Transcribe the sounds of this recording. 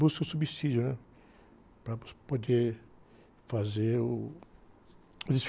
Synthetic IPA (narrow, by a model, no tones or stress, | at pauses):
buskosubisid͡ʒjonɛ̃ | pɾapod̪e | fazeɾu | ud̪is